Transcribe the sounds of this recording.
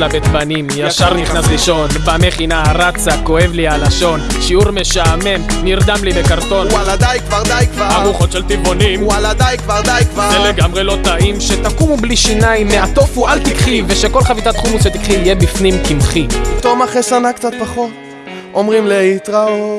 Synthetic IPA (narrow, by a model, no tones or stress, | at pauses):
labet̪banimjaʃaʁniχnasʁiʃo̞nvameχinaʁat͡sako̞e̞vlialaʃo̞n | ʃiuʁme̞ʃaːme̞mniʁd̪amlibekaʁt̪o̞nalad̪ajkvaʁd̪ajkvaaɡuχo̞t̪ʃelt̪ibonimalad̪ajkvaʁd̪ajkvaeleɡamʁelo̞t̪aʔimʃet̪akumubliʃinajimːeat̪ofualt̪ikχveʃe̞ko̞lχavit̪at̪χumusʃet̪ikχivijebifnimkimχit̪omaχesanakt͡sat̪̚paχot̪ | omʁimleit̪ʁao